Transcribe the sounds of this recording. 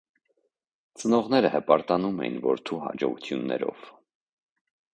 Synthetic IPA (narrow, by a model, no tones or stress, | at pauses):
t͡sənɔʁnɛɾəhɛpɑɾt̪ɑnumɛjinvɔɾt̪ʰuɦɑd͡ʒɔʁut̪ʰjunːɛ̰ɾɔ̰v̥